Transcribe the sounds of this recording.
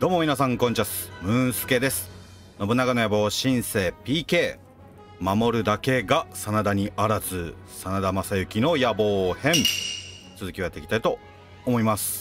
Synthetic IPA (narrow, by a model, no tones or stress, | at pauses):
d̥̪o̞ːmomʲinas̬ãŋkõ̞ɲt͡ɕasɨ̥mɯ̟̃ɰ̃sɨ̥ke̞d̪e̞sɨ̥ | no̞bɯ̟nːakano̞jabo̞ːɕĩɰ̃se̞ːpʲiːke̞ː | mamo̞ɾɯ̟d̪ake̞ɡasanad̪aɲ̟iʔaɾazɨ | sanad̪amasajɯ̟kʲino̞jabo̞ːhẽ̞ɴ | t͡sɨzɨkʲiβat̪ekʲi̥t̪ait̪o̞ː | mo̞imasɨ̥